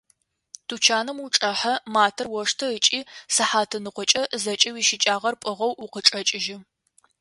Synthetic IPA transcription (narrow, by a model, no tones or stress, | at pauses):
tʰuːt͡ʃʰaːnɨmuʈ͡ʂʼɐħɐmaːtʰɐrwɔʂtʰɐət͡ʃʼiːsɨħaːtʰɨnɨqʷɔt͡ʃʼɐzɐt͡ʃʼɐwiːʃɪt͡ʃʼaːʁɐrpʼɨʁɐwʊqət͡ʃʼɐt͡ʃʼɪʒɪ